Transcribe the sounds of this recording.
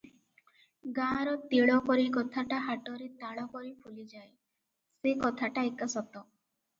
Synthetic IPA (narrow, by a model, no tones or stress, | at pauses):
ɡaɾɔt̪iɭɔkɔɾikɔt̪ʰaʈaɦaʈɔɾet̪aɭɔkɔɾipʰulid͡ʒae | sekɔt̪ʰaʈaekasɔt̪ɔ